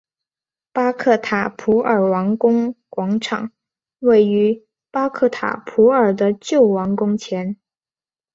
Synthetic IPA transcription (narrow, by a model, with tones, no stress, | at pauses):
pa˥kʰɤ˥˩t̪ʰa˨˩pʰu˧˥ə˞˨˩wɑ˧˥ŋkʊ˥ŋkwɑ˧˥ŋʈ͡ʂʰɑ̰˨˩˦ŋ | we˥˩ɪy˧˥ | pa˥kʰɤ˥˩t̪ʰa̰˨˩pʰu˧˥ə˞˨˩d̪ə˦t͡ɕjo˥˩ʊwɑ˧˥ŋkʊ˥ŋt͡ɕʰjɛ˧˥n